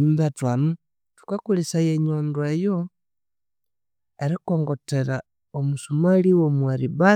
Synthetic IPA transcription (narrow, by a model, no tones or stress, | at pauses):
imbatwanu | tu̥kakulisajeɲoːndwejo | eɾikoːŋɡo̞teɾa | omusumaliwomwaɾiba